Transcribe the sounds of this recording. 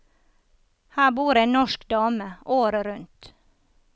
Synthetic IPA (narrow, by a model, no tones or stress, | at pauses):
hæːbuːɾeːnɔʃkd̪ɑːməʔoːɾəɾʉnt̪